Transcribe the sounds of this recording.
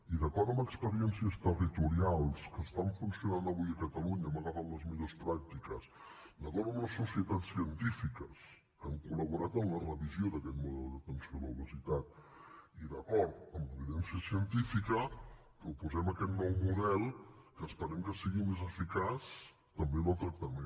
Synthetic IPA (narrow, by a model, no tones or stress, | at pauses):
iðəkɔɾt̪əməkspəɾiɛnsiəst̪ərit̪uɾialˠskəst̪aɱfunsiunand̪əβujəkət̪əluɲəməɣafat̪ləzmiʎospɾak̚t̪ikəs | d̪əkɔɾt̪əmləsusiət̪atsːiənt̪ifikəs | əŋkuləβuɾat̪ənlərəβizioðəkɛt̪muðɛlˠd̪ət̪ənsioðəuβəzit̪at̪̚ | iðəkɔɾt̪əmləβiðɛnsiəsiənt̪ifikə | pɾupuzɛməkɛt̪nɔwmuðɛlˠkəːspəɾɛmkəsiɣimezəfikas | t̪əmbeðəlˠt̪ɾək̚t̪əme